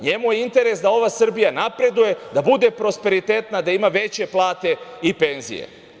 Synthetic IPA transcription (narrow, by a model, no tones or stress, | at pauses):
ɲe̞mujeint̪e̞ɾe̞sd̪ao̞ʋasr̩bijanapɾe̞d̪uje̞d̪abud̪e̞pɾo̞spe̞ɾit̪eːt̪nad̪aimaʋe̞t͡ɕe̞plˠaːt̪e̞ipe̞nzḭje̞̰